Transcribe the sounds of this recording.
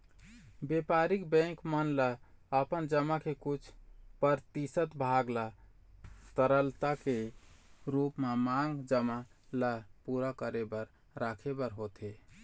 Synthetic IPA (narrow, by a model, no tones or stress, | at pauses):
bepaɾikbɛ̃kmənlaəpənd͡ʒəmakʰekut͡ʃʰpəɾt̪isət̪bʱaɡla | t̪əɾəlt̪ake | ɾupmemaŋɡd͡ʒəmalapuɾakəɾebəɾ | ɾakʰebəɾɦot̪e